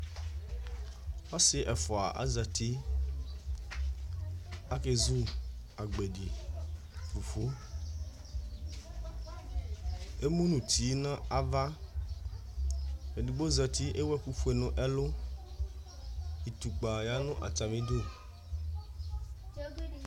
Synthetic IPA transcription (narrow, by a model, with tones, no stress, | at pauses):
wɔ˦sɪ˨˦ʔɛ˨fɔ˨a̰˨ʔa̰˦za˨t̪i˦ | a˦ke˨zu˦ | a˨ɡ͡be˨ɖi˨ | fu˨fo˦ | e˦mũ˦nũ˨t̪i˨˦nã˦a˨va˦ | me˨du˨ɡ͡bo˦zə˨t̪i˦ʔe˦wɛ˦ku˦fu˦e˨nɔ̃˨ʔɛ˦lo˦ | i˨t̪u˨k͡pa˨ja˦nɔ̃˦ʔa̰˨t͡ʃa˨mĩ˦d̪o˦